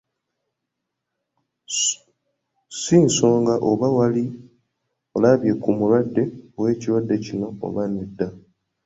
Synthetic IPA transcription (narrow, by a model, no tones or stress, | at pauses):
siːnso̞ːŋɡaʔoβawali | olaβje̞kumulwadːe̞owe̞ːciɾwadːe̞cino̞̰ːβanedːa